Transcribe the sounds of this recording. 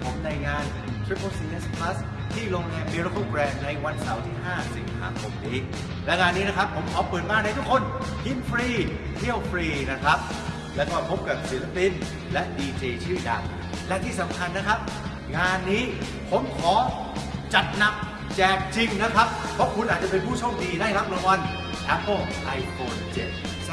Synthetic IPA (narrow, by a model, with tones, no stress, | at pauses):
pʰo˩˦mna˧jŋaː˧n˩˦t̪ʰɾi˦˥pʰːə˧si˧nɛ˦˥˩spʰla˦˥s | t̪ʰiː˥˩lo˧ŋɛː˧mmi˧ɾo˦˥kʰo˥˩kɾɛː˧nna˧jwa˧nsa˩˦wt̪ʰiː˥˩ɦaː˥˩si˨˩ŋsʰa̰ː˩˦mkʰo˨˧m̚niː˦˥ | lɛ˦˥ŋaː˧nːiː˦˥na˦˥kʰa˦˥pʰːo˩˦mkʰɔː˨˦pɯː˨˩t̪̚maː˧˩nda˧jt̪ʰu˥kʰo˧nhi˧˥nfɾiː˧ | t̪ʰi˥˩əwfʰɾiː˧na˦˥kʰɾa˦˥p̚ | lɛ˦˥wkɔː˥˩pʰo˦˥p̚ka˨˩p̚si˨˩˦la˧pi˧n | lɛ˦˥ʔdiː˧t͡ɕeː˧t͡ɕʰɯː˥˩da̰˨˩ŋ | lɛ˦˥t̪ʰiː˥˩sa˨˦mkʰa˧nːa˦˥kʰa˦˥p̚ | ŋaː˧nːiː˦˥ | pʰo˨˦mkʰɔː˨˦ | t͡ɕa˨˩t̪̚na˨˩k̚ | t͡ɕɛː˨˩k̚t͡ɕi˧ŋna˦˥kʰa˦˥p̚ʰːɔ˦˥kʰu˧nʔaː˨˩t̚t͡ɕa˨˩pe˧npʰuː˥˩t͡ɕʰɔ˧˥˩mdiː˧daː˥˩jkʰa˦˥p̚lɔ˧˥wa˧n | ʔɛ˦˥pʰoː˧˥˩mʔa˧jfoː˧nt͡ɕe˨˩t̪̚